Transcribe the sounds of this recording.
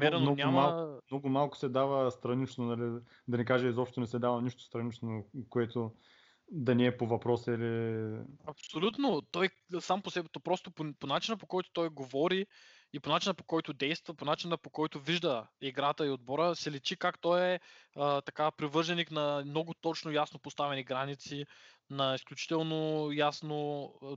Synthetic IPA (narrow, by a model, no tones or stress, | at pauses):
mɛɾɛnɔnʲaamalˠnɔɡʊmalˠkʊ̥sɛd̪avəst̪ɾɐnit͡ʃnonɐli | d̪ɐnikaʒɛizɔpʃt̪onɛsɛd̪avɐniʃt̪ʊst̪ɾɐnit͡ʃnokoɛt̪o | d̪ɐniɛpovɐpɾɔsili | ɐpsolʲut̪not̪ɔj | samposɛbɛt̪opɾɔst̪opoponat͡ʃinəpokɔjt̪o̥t̪ɔjɡovɔɾi | iponat͡ʃinəpo̥kɔjt̪ʊd̪ɛjst̪vɐponat͡ʃinpokɔjt̪ʊviʒd̪əiɡɾat̪əiod̪̚bɔɾəsɛlɛt͡ʃikakt̪ɔjɛət̪ɐkapɾivɤəɾʒɛniknɐmnɔɡʊt̪ɔt͡ʃnojasnopost̪avɛniɡɾanit̪si | nɐisklʲut͡ʃi̥t̪ɛlˠnojasno